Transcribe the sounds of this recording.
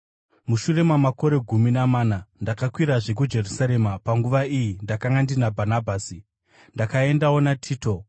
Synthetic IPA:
muʃure̞mamako̞ɾe̞ɡʱuminamaːnandakakwiɾaʐe̞k̬ud͡ʒe̞rusaɾe̞mapaŋɡuʋaijindakaŋɡandinabʱanabʱaːsi | ndakae̞ndawo̞natʰiːto

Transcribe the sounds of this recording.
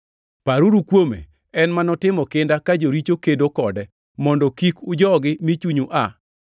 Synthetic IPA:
paɾuɾukwomḛ | ɛnmanɔtɪmɔkɪndakad͡ʒoɾit͡ʃokedokɔdɛ | mɔndɔkikʊd͡ʒɔɡɪmit͡ʃuɲuʔa

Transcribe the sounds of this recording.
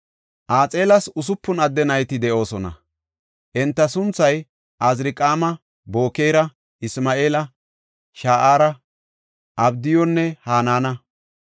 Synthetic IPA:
ʔaːt͡sʼe̞ːlɐsʊs̬ʊpːʊnɐd̪ːɛnɐjt̪ɪd̪ɛʔo̞ːsɔnɐ̰ | ʔɛnt̪ːɐsʊnt͡sːɐj | ʔɐzɾɪkʼaːmɐ | bo̞ːkeːɾɐ | ɪsmaːʔeːlɐ | ʃaːʔaːɾɐ | ʔɐbd̪ɪjɔnːɛhaːnaːnɐ

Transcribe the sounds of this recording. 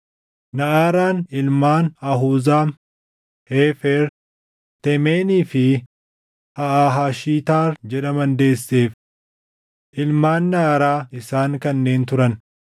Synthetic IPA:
nɐʔaːɾaːnɪlmaːnɐɦuːzaːm | heːfɛɾ | t̪ɛmeːniːfɪ | hɐʔaːɦaːʃiːt̪aːɾd͡ʒɛᶑɐmɐnd̪e̞ːsːeːf | ʔɪlmaːnːɐaːɾaːɪsaːŋkɐnːe̞ːnt̪ʊɾɐn

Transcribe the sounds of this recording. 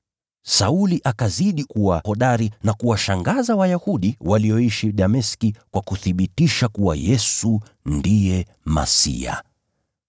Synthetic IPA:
sauliʔakaziɗikuwahɔɗaɾinakuwaʃaŋɡazawajahuɗiwaliɔiʃiɗamɛskikwakuθiɓitiʃakuwa̰jɛsu | ndijɛ | ma̰sḭa̰

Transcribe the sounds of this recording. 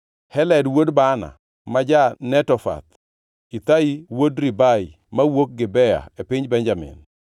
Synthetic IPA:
hɛlɛdwodbana̰ | mad͡ʒanɛtɔfa̰t̪ | it̪aiwodɾibai | mawok̚ɡɪbɛja̰epɪɲbɛɲd͡ʒamɪ̰n

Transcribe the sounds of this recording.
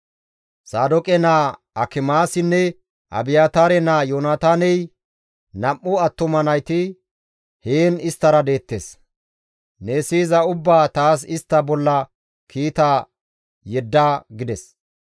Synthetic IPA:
saːd̪ɔkʼɛnaː | ɐkɪmaːsɪnːɛ | ʔɐ̰bɪjaːt̪aːɾɛnaːjoːnat̪aːnɛj | nɐmːʊɐt̪ːʊmɐnɐjt̪ɪ | heːnɪst̪ːɐɾɐd̪e̞ːt̪ːḛs | neːsiːzɐʊbːaːt̪aːs̬ɪst̪ːɐbɔlːɐ | kʰiːt̪a | jɛd̪ːaːɡɪd̪ɛs

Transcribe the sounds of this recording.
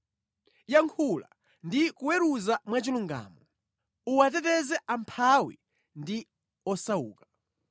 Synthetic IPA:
jaŋkʰula̰ | ndikuwɛɾuzamwat͡ʃiluŋɡa̰ːmɔ | uwat̬ɛtɛzɛʔampʰawḭ | ndi | ɔsauːkḁ

